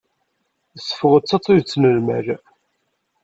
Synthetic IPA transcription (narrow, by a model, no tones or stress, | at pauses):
sːə̥fəʁət͡sːɑt͡s̪ˤːiðt͡sːnəlmæ̰ɾ